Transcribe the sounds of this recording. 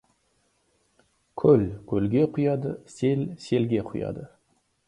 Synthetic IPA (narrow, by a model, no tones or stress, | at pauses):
kʲʰɵlkʲʰɵlɡʲe̞qʰʊjɑd̪əse̞lse̞lɡʲe̞qʰʊjɑ̰d̪ə